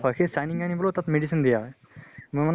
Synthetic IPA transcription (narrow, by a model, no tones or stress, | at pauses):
pʰakʰesajniŋanibɔlot̪at̪meɖisind̪ija | muman